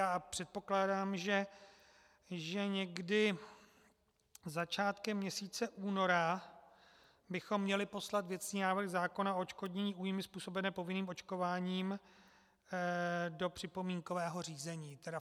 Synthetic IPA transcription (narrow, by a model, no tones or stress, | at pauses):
jaːpr̝̥ɛt̪̚po̞klaːdaːmʒɛ | ʒɛɲɛɡdɪ | zat͡ʃaːt̪kɛmːɲɛsiːt͡sɛʔuːno̞ɾa | bɪxo̞mːɲɛlɪpo̞slat̪vjɛt̪t͡sɲiːnaːvr̩ɣzaːko̞naoot͡ʃko̞dɲɛɲiːʔuːjmɪspuːso̞bɛnɛːpo̞vɪniːmo̞t͡ʃko̞vaːɲiːm | do̞pr̝̥ɪpo̞miːŋko̞vɛːɦo̞r̝iːzɛɲiːt̪ɛda